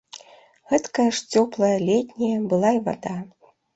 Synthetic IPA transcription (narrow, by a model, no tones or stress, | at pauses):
ɣɛt̪kɐjɐʂt͡sʲɔplˠɐjɐlʲɛt̪ʲnʲijɐbɨlˠaiva̰d̪a